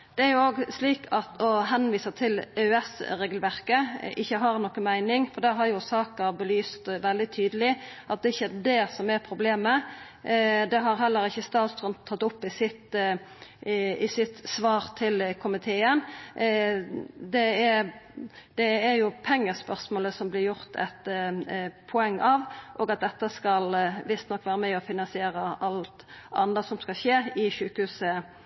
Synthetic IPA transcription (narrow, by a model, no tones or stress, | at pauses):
d̪̥ɛæɾjʊoːɡsliːkʰɑt̪ʰɔɦɛnʋiːsət̪ʰɪløʉɛsɾeːɡlʋæʁkəɪçːəɦɑʁnɔkːəmæɪnɪŋfɔɾd̪ɛɦɑɾjʊsɑːkəʁbəlyːst̪ʋɛld̪ɪt̪ʰyːd̪əlɪ | ʔɑt̪̚d̪ɛɪçːəd̪ɛsɔmæɾpʰɾʊbleːmə | d̪ɛɦɑɾɦɛlːəɾɪçːəst̪ɑːt̪st̪ɾənt̪ʰːɑt̪ːʊpːɪsɪt̪ | ɪsɪt̪sʋɑːʁt̪ʰɪlkʰʊmɪt̪ʰeːən | d̪ɛɛ | d̪̥ɛɛɾjʊpʰɛŋːəspœʁsmoːləsɔmblɪɾjʊʁt̪ʰɛ̰t̪ | pʰɔɛŋːʔɑʋʔoːɡɑt̪̚d̪ɛt̪ːəskɑlʋɪst̪nɔkːʋæːɾəmɛɪɔfɪnɑnsɪeːɾəʔɑlt̪ʔɑ̰nəsɔmskɑlɕeːɪʃʉːkəhʉːsə